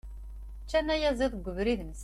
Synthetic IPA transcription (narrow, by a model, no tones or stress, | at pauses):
t͡ʃːænːæjæzˤeðˤɡʷːəvɾiðms